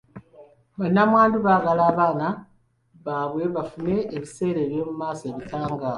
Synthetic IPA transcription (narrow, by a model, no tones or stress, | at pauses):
βanːamwaːnduβaːɡalaːβaːna | βaβwe̞βafume̞eβise̞ːɾeːβjo̞ːmumaːsoeβitʰaːŋɡa